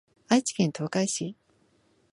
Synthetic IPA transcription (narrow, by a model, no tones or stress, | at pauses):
ait͡ɕi̥kʲẽ̞nt̪ʰo̞ːkaiɕi